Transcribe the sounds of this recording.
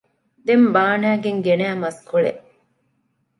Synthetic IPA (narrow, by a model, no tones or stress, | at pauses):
d̪embaːnæːɡeŋɡenæːmɐskuɭḛʔ